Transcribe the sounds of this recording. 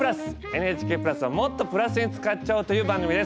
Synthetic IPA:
ɾasɨ̥ | e̞n̟eːt͡ɕi̥ke̞ːpɯɾasɨβamo̞t̪ːo̞pɯ̟ɾasɨɲ̟it͡sɨ̥kat͡ɕaɯ̟t̪o̞jɯ̟ːbãŋɡɯ̟mʲid̪e̞s

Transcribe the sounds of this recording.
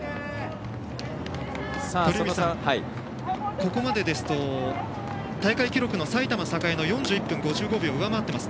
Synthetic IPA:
oɾemʲisãi | ko̞ko̞mad̪e̞d̪e̞sɨ̥t̪o̞ | t̪aikaikʲiɾo̞kɯ̟no̞sait̪amasakaeno̞jõ̞ɲ̟d͡ʑɨːipːɯ̟̃ŋɡo̞ʑɨːɡo̞bʲioɯ̟amaːt̪ːe̞masɨ̥

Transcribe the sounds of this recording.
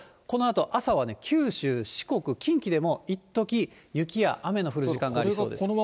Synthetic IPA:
ko̞no̞at̪o̞ʔasaβane̞kʲʰɨːɕɨːɕi̥ko̞kɯ̟kʲĩŋkʲid̪e̞mo̞it̪ːo̞kʲi | jɯ̟kʲija̰ʔame̞no̞ɸɯ̟ɾɯ̟ʑikãŋɡaːɾso̞ːdes

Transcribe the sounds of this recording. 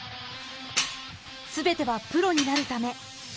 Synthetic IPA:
sɨbe̞t̪e̞βapɯ̟ɾo̞ɲ̟inaɾɯ̟t̪ame̞

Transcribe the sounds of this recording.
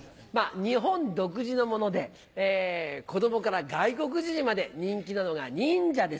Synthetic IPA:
maɲ̟iɦõ̞nd̪o̞k̬ɯ̟ʑino̞mo̞no̞d̪e̞ː | ko̞d̪o̞mo̞kaɾaɡaiko̞k̬ɯ̟ʑiʑĩmad̪e̞ɲ̟ĩŋkʲinano̞ɡaɲĩɲd͡ʑad̪e̞s

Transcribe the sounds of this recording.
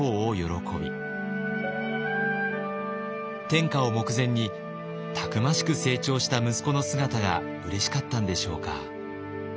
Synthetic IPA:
oːjo̞ɾo̞kʰo̞bʲḭ | t̪ẽ̞ŋkao̞mo̞kɯ̟zẽ̞ɲ̟ːi | t̪ʰakɯ̟maɕi̥kɯ̟se̞ːt͡ɕo̞ːɕi̥t̪amɯ̟sɨ̥ko̞no̞sɨɡat̪aɡa̰ | ɯ̟ɾe̞ɕi̥kat̪ːãnd̪e̞ɕo̞̰ːka̰

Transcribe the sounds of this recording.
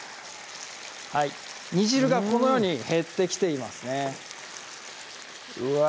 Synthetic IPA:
hai | ɲ̟iʑiɾɯ̟ɡako̞no̞jo̞ːɲ̟ihe̞t̪ːe̞kʲi̥t̪e̞imasɨne̞ | ɯ

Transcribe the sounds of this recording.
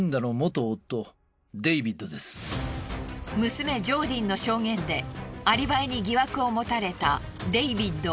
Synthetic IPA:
nd̪anomot̪oːt̪ːo̞ | d̪e̞ibʲid̪o̞d̪e̞sɨ̥ | mɯ̟sɨme̞d͡ʑo̞ːd̪ʲĩnːo̞ɕo̞ːŋẽ̞nd̪e̞aɾʲibaeɲ̟iɡʲiβakɯ̟o̞mo̞t̪aɾe̞t̪a | d̪e̞ibʲid̪ːo̞

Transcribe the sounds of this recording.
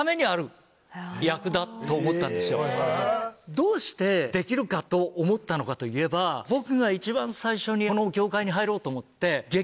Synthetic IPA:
ame̞ɲ̟iaɾɯ̟ | jakɯ̟d̪at̪ːo̞ːmot̪ːãnd̪e̞sɨjo | d̪o̞ːɕi̥t̪e̞d̪e̞kʲiɾɯ̟kat̪o̞ʔːmo̞t̪ːano̞kat̪o̞ie̞babo̞kɯ̟ɡait͡ɕibãɰ̃saiɕo̞ɲ̟ino̞ɡʲo̞ːkaiɲ̟iɦaiɾo̞ːt̪oːmo̞t̪ːe̞ɡe̞

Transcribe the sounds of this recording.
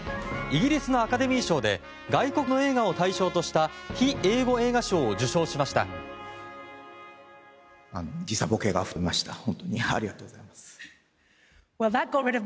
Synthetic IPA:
iɡʲiɾʲisɨno̞akad̪e̞mʲiːɕo̞ːd̪e̞̰ | ɡaiko̞kɯ̟no̞e̞ːɡao̞t̪aiɕo̞ːt̪o̞ɕi̥t̪açie̞ːɡo̞e̞ːɡaɕo̞ːod͡ʑɨɕo̞ːɕimaɕi̥t̪a̰ | anod͡ʑisabokeːɡaɸɯɾemaɕi̥t̪ahõ̞nt̪o̞ɲ̟ia̰ɾʲiɡat̪oːɡoz̥aimasɨ̥ | wɛlˠðət̚ɡ̥oɹɪɾʌv

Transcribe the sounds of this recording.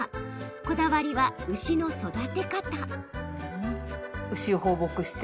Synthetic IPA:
ko̞d̪aβaɾʲiβaɯ̟ɕino̞so̞d̪at̪e̞kat̪a | ɯ̟ɕioɦoːbo̞kɯ̟ɕi̥t̪

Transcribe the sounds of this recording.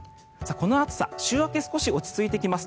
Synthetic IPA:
sako̞no̞at͡sɨ̥sa̰ɕɨːβakesɨ̥ko̞ɕio̞t͡ɕi̥t͡sɨit̪e̞kʲimasɨ̥

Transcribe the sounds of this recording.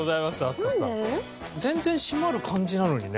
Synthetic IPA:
ozaimasasas | d͡ze̞nd͡ze̞ɲ̃ɕimaɾɯ̟kʰaɲd͡ʑinanoɲine

